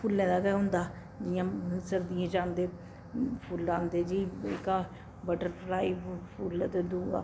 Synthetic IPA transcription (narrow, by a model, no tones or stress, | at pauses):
pʰulːɛ̃ːd̪aːkɛɦʊ̃nd̪aː | d͡ʒɪjãːsəɾd̪ijãːd͡ʒãːnd̪eː | pʰuld͡ʒaːnd̪eːd͡ʒiːɪ̰ka | bəʈəɾpʰlaːipʰuːlt̪ed̪uːɡa̰ː